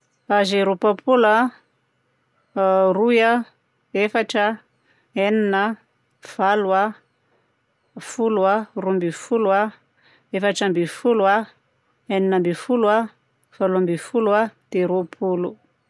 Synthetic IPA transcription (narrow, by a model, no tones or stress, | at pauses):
azeɾopapʰula | ruja | efaʈ͡ʂə | eninə | v̥alwa | fuluarumbifulua | efaʈ͡ʂambifulwa | eninəmbifulua | v̥aluambifuluad̪̥eɾopʰulu